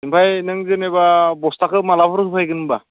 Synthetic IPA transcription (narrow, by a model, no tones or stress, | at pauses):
impʰajnɯŋzenebabɔstakʰɯmalapʰɔɾɯsʰɯpʰajɡɯnba